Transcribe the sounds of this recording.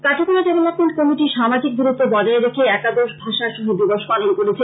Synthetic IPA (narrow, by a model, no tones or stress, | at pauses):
kaʈʰikuɾad͡ʑɔmelakonkɔmiʈiʃamad͡ʑik̚buɾut̪ːobɔd͡ʑaeɾekʰeɛkad̪oɾʃbʱaʃaʃuɦub̪iboʃpalonkoɾet͡ɕʰe